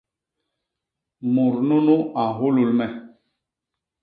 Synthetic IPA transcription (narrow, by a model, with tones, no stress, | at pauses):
mu˨ɾnu˦nu˦a˨ɦu˦lu˨lmɛ˨